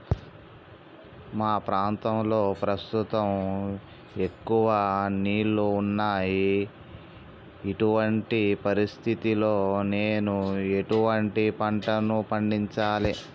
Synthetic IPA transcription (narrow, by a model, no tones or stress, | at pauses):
maːpɾaːnt̪ɐmlo̞ːpɾɐst̪ut̪ɐm | e̞kːuʋɐniːɭːuːnːaːji | ʈuʋɐɳʈipɐɾist̪ʰit̪ilo̞ːneːnue̞ʈuʋɐɳʈipɐɳʈɐnupɐɳɖiɲt͡ʃaːli